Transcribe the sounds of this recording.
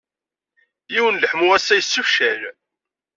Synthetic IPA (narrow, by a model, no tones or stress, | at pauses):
jiwənləħmuæsːæjəsːufʃæl